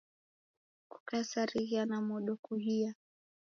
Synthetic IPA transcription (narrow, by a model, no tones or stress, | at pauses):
ku̥kasaɾiɣianamɔɗɔkuɦia